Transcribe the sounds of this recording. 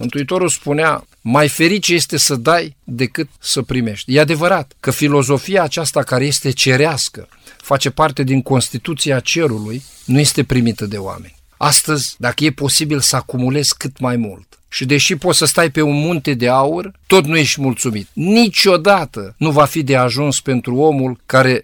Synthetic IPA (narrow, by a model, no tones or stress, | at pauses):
mɨnt̪uit̪o̞ɾulspunea | majfe̞ɾit͡ʃeje̞st̪e̞səd̪ajd̪e̞kɨt̪̚səpɾime̞ʃt̪ʲjead̪e̞vəɾat̪kəfilo̞zo̞fiaːt͡ʃast̪akaɾe̞je̞st̪e̞t͡ʃe̞ɾeaskə̰ | fat͡ʃe̞part̪e̞d̪iŋko̞nst̪it̪ut̪siat͡ʃe̞ɾuluj | nuje̞st̪e̞pɾimit̪əd̪e̞owa̰me̞nʲ | ast̪əzʲd̪akəje̞po̞sibilsəakumule̞zkɨt̪majmult̪ | ʃid̪e̞ʃipo̞t̪səst̪ajpe̞unmunt̪e̞d̪e̞aurt̪o̞t̪nuje̞ʃt̪ʲmult̪sumit̪nit͡ʃo̞d̪at̪ənuvafid̪e̞aʒunspe̞nt̪ɾuo̞mulkaɾe̞